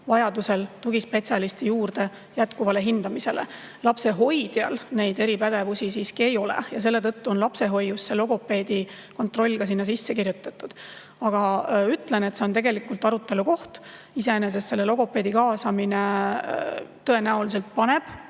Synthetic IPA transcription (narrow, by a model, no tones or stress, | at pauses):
vɑjɑd̪use̞lt̪uɡispe̞t̪sjɑlist̪ijuːrd̪̥e̞ | jæt̪kuvɑle̞ɦind̪̥ɑmise̞le | lɑpse̞ɦo̞jd̪̥jɑlne̞jd̪̥e̞ɾipæd̪̥e̞vusisiːskie̞jo̞lḛjɑs̬e̞lːe̞t̪ɤt̪ːuo̞nlɑpse̞ɦo̞jusːe̞lo̞ɡo̞pːe̞ːd̪̥i | ko̞nt̪ro̞lʲːɡ̥ɑs̬inːɑsisːe̞kirjut̪ːˑɑt̪ːˑud̪̥ | ɑɡ̥ɑyt̪ˑle̞ne̞t̪se̞o̞nt̪e̞ɡe̞likːult̪ˑɑɾut̪ːˑe̞luko̞ht̪ | ise̞enes̬e̞st̪se̞lːelo̞ɡ̥o̞pːˑe̞ːd̪̥ikɑːsɑmine̞ | t̪ːɤe̞næulis̬elt̪̚pɑne̞b̥